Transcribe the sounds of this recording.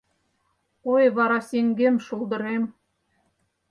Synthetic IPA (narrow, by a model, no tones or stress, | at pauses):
ojβɑɾɑsʲeŋɡemʃulˠd̪ɤ̆ɾem